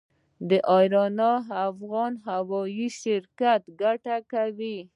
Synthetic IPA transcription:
d̪əʔɑjɾɑnɑafɣɑnɦawɑjiʃɪɾkat̪ɡaʈakawi

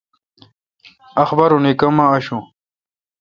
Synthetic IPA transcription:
ɐxbɐɾunikɐmaːɕũ

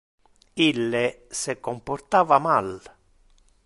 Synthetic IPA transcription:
ilːɪ | sɪkːɔmpɔrt̪aːvamal

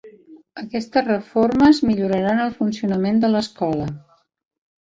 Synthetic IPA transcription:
əkɛst̪əzrəforməzmiʎuɾəɾanəlˠfunsiunəmend̪ələskɔlə

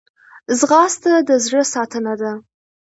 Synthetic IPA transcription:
zɣɑst̪ad̪əzɻəsɑt̪ənad̪a

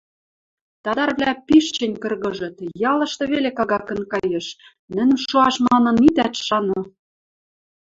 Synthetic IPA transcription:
t̪ɑd̪ɑrβlʲæpiʃt͡ɕɘ̆nʲkɤ̆rɣɤ̆ʒɤ̆t̪jɑlɤ̆ʃt̪ɤ̆βelekɑɣɑkɤ̆nkɑjeʃ | nɘ̆n̆ʃoɑʃmɑnɤ̆nit̪æt̪ʃɑnŏ

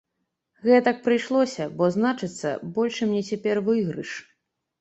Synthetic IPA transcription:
ɣɛt̪ak̚pɾɨjʂlˠɔsʲɐbɔznat͡ʂɨt̪sːɐ̰bɔlʲʂɨmnʲɛt͡sʲɛpʲɛrvɨɣɾɨ̰ʂ

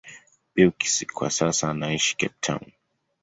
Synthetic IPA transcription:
piɔki̥sikʰwa̰sasaːnaiʃi̥kɛp̚tʰã̰w̃n

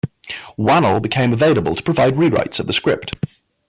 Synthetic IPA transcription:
wanl̩ˠbɪkʰẽɪ̃məveɪləbə̰lˠtʰə̥pʰɹ̥əvaɪd̚ɹiːɹa̰ɪtsəʔ̚ðəskɹ̥ɪ̰p̚t

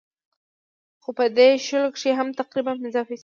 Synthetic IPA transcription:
xopəd̪eʃəlokʂeɦamt̪aqɾibanmɪzɑfis

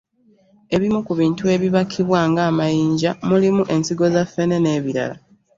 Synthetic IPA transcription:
e̞βimukuβiːntue̞βiβakʰːiβwaːŋɡaːmajiːɲɟamulimuʔe̞nsiɡo̞zafːe̞ne̞ne̞ːβiɾa̰la

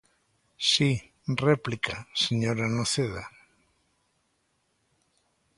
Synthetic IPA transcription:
si | replikaseɲoɾanoθeða̰

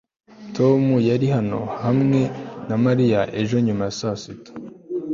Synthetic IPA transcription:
tʰo̞mujaɾihano̞̰hamŋe̞namaɾijaʔe̞ʒo̞ɲumajasasito̥

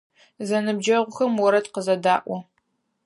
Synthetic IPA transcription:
zɐnɨb̚d͡ʒɐʁʷʊxɐmwɔɾɐtqəzɐdaːʔʷɔ

